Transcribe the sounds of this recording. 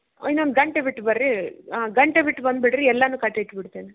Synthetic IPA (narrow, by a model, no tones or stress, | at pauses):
inːond̪ɡɐɳʈeʋiʈːbɐɾɾiaɡɐɳʈebiʈːbɐnd̪biʈɾiɛlːɐnuːkɐʈːɐʈbiʈt̪iːni